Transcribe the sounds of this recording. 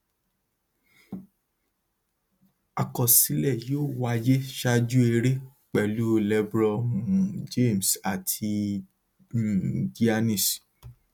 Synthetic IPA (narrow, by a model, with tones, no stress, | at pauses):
a˨kɔ˨si˨˦lɛ˦˨joː˦˨wa˦je˦ʃa˦d͡ʒu˦e˧ɾe˦ | k͡pɛ˨lu˦˧lɛ˦bɾɔ̃˦˨ũ˨d͡ʒe˦˨m˨sa˨tʰi˧˨ | di˦a˧nĩ˦˨s